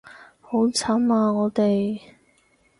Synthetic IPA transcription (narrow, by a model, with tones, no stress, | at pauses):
ho˨˥wt͡sʰa˨˥maː˧ŋɔː˨˧t̪e˨j